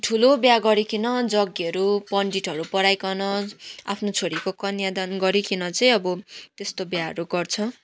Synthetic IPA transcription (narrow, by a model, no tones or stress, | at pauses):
ʈʰulobjaɡʌɾikʰinʌd͡zʌɡiʌɾupʌɳɖiʈʌɾupʌɽajkʌnʌa̰pʰnot͡sʰoɾikokʌnjad̪ʌnɡʌɾikʰinʌt͡sʌj̃ʌbʌt̪est̪objaʌ̰ɾuɡʌrt͡sʰʌ